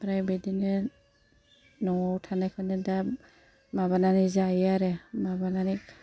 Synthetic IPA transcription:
pɾajbedinɯ | nɔwtʰanajkʰɯnɯda | maβananizajaɾemabanani

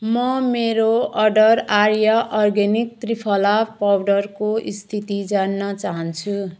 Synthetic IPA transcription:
mʌmeɾoʌɖʌraɾjaʔʌrɡenik̚t̪ripʰʌlapawɖʌrkoʔist̪ʰit̪id͡zanːʌt͡saɦʌnt͡sʰu

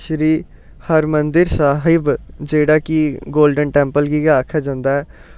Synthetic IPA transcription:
ʃɾiː | həɾmənd̪ɪɾsaːɦɪbd͡ʒeːɽaːkiɡoːlɖənʈɛ̃ːmpəlɡiɡaaːkʰːaːd͡ʒãːnd̪aːɛː

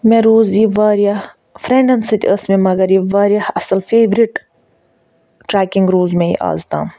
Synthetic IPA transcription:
mẽɾoːzjiʋaːɾijah | fɾeɳɖɐnsɨt̪ʲəsmẽmɐɡɐɾjiʋaːɾjɐhɐsɐlfeːʋɾiʈ | ʈɾaːkiŋɡɾoːzmẽjḭʔa̰ːzt̪a̰ːm

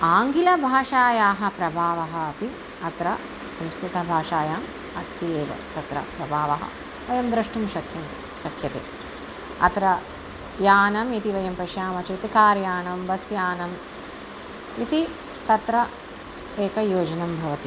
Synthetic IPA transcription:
aːŋɡilɐbʱaːʂaːjaːɦɐ̆pɾɐbʱaːʋɐɦɐɐpi | ɐt̪ɾɐ | sɐmskɾut̪ɐbʱaːʂaːjaːm | ɐst̪ieːʋɐ̰t̪ɐt̪ɾɐ̰pɾɐbʱaːʋɐɦɐ̰ | ʋɐjɐmd̪ɾɐʂʈumʃɐkʰjɐnt̪ | ʃɐkʰjɐt̪ḛː | ɐ̰t̪ɾɐ | jaːnɐmit̪iʋɐjɐmpɐʃjaːmɐt͡ʃɐt̪ikaːɾjaːɳɐmbɐsjaːnɐm | it̪i | t̪ɐt̪ɾɐ | eːkɐjoːd͡ʒɐnɐmbʱɐʋɐt̪i

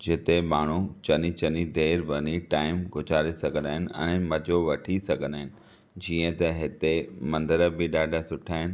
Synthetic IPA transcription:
d͡ʑɪt̪emaːɳ̤ut͡ɕɐnit͡ɕɐnid̪eːɾʋɐniʈaːɪmɡʱʊd͡ʑʱaːɾisɐɡʱə̃nd̪aːɦɪnɪ̆ɛ̰̃ːmɐd͡ʑoʋɐʈʰisɐɡʱə̃nd̪aːɦɪnɪ̆ | d͡ʑiːə̃t̪ɐɦɪt̪emɐ̃nd̪əɾəbɪɗaːɖʱasʊʈʰaːɦɪnɪ̆

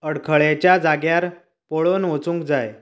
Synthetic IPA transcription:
əɽkʰəɭjat͡ɕjad͡zaɡjaɾ | poɭonʋot͡sũːŋkd͡zaj

